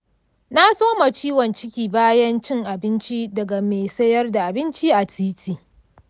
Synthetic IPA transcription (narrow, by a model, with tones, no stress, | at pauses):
na˦soː˦ma˨t͡ʃiː˦wɔ˨nt͡ʃɪ˦kʲiː˨baː˦jɐ˦nt͡ʃɪ˦ŋʔa˨bɪ˦nt͡ʃi˦dɐ˨ɡa˨meː˨sɐ˦jɐ˦rda˨ʔa˨bɪ˦nt͡ʃi˦ʔa˨tiː˦tʰiː˨